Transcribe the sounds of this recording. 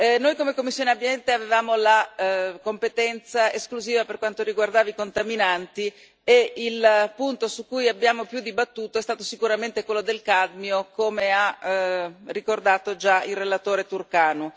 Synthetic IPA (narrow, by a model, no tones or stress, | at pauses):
nojkomekomːisːjoːneabːjɛnt̪eavevaːmolakompet̪ɛnt̪saeskluziːvaperkwant̪oɾiɡward̪aːvikont̪aminant̪i | eilpunt̪osukːujabːjaːmopjud̪ːibat̪ːuːt̪oɛst̪aːt̪osikuɾament̪ekwelːod̪elkad̪miokomea | rikord̪aːt̪od͡ʒailrelat̪oːɾet̪urkaːnu